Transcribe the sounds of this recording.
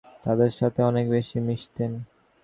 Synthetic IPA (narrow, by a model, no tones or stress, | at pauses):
t̪ad̪eɾʃat̪ʰeɔnekbeʃimiʃt̪en